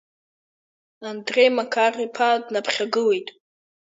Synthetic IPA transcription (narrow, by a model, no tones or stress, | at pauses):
andre̞jmakʰaripʰadnapʰχʲaɡɨle̞jtʼ